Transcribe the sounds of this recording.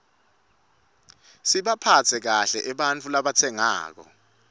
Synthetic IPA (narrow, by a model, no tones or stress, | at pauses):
siɓapʰat͡sʰɛk̬aɬɛʔɛɓant͡fʰʼulaɓat͡sʰɛŋa̰ːk̬ɔ̰